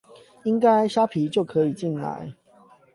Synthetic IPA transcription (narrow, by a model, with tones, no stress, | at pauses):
i˦˥ŋka˦ɪɕja˦˥pʰi˨˦t͡ɕjo˥˩ʊkʰɤ˨˦i˨˩t͡ɕi˥˩nla̰˧˦ɪ